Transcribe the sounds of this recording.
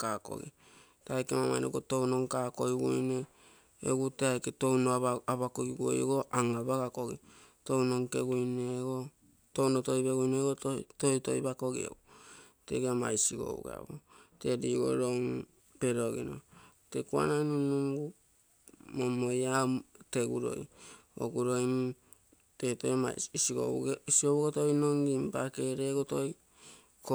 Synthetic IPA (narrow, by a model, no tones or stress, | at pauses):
kako̞̰ɡḭ | teajkemamajnoɡoto̞wno̞ŋkako̞jɡujne | ḛɡuteajketo̞wnoaβakoɡiɡuo̰jɡo̞ʔaŋabaɡako̞ɡi | to̞wno̞ŋkeɡujneɡo | townoto̞jbeɡujneɡototojto̰jbako̞ɡḭḛɡu | teɡiama̰jsiɡo̞̰ṵɡa̰bote̞diɡo̰ɾon | peɾoɡḭno̰ | tekua̰nanunuŋɡu | momojate̞ɡuɾo̞̰jo̰ɡuɾo̞jm | tetojasiɡo̰sioβuɡotojnoŋɡimpake̞ɾeɡotoj | ko